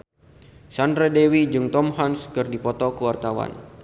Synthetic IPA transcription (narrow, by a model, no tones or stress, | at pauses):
sanrɛdɛwid͡ʒɨŋt̪ɔmɦanskɨrdipɔt̪ɔkəwart̪awa̰n